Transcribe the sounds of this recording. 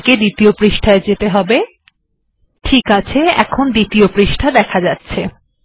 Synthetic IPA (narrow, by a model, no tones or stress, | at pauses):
ked̪it̪iopɾiʃʈʰaed͡ʑet̪eɦɔbe | ʈʰikat͡ɕʰeɛ̰kʰond̪it̪iopɾiʃʈʰad̪ɛkʰad͡ʑatːɕʰe